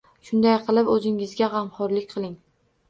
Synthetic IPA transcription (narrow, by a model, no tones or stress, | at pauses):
ʃʊnd̪ajqʰɨlˠɪpɵzɪŋɪzɡʲaʁɑmχɒɾlɪkʲqʰɨlˠɪŋ